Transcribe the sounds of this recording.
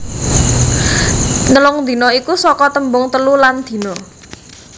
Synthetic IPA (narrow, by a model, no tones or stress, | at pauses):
nəlʊŋd̪̥i̤nɔikusɔkɔt̪əmbʊŋt̪əluland̪̥i̤nɔ